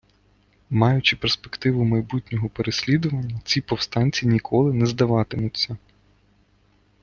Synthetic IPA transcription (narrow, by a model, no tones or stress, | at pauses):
mɑjʊt͡ʃɪpespekt̪ɪʋʊmɐjbut̪ʲnʲɔɦɔpeɾesʲlʲid̪ʊʋɐnʲːɐt͡sʲipɔwst̪ɑnʲt͡sʲinʲikʰɔlˠɪnɛzd̪ɐʋɑt̪ɪmʊtʲt͡sʲːɐ